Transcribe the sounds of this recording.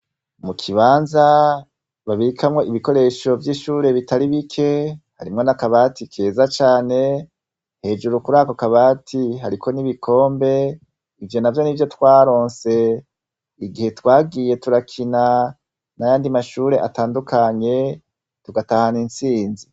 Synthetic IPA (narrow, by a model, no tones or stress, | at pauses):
mukʰiβaːnza | βaβiɾikʰamŋo̞ʔiβiko̞ɾe̞ʃo̞vjiːʃuːɾe̞βitaɾiβikʰe̞ha̰ɾimŋo̞nakaβaːtikʰeːzat͡ʃaːne̞ | he̞ːd͡ʒuɾukuɾaːko̞kaβaːtʰiɦaɾikʰo̞niβikʰo̞ːmbe̞ | ivjo̞navjo̞nivjo̞twaːɾo̞ːnse̞ | iɡihe̞twaːɡije̞tuɾakʰina | najaːndimaʃuːɾe̞ʔataːndukaɲe̞ | tuɡatahaninsiːnzi